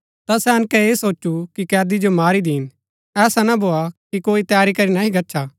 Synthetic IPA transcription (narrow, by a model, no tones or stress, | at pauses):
t̪asɛɐnkɛeːsoːt͡ʃukikɛːd̪id͡ʒomaːɾid̪iːn | ɛːsanɐbʱoːakikoːit̪jaːɾikɐɾinɐɦĩɡɐtːʃʰa